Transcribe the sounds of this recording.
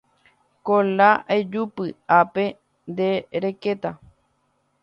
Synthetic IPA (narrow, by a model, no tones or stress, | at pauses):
kolaʔed͡ʒupɨape̞ | nd̪eɾeket̪a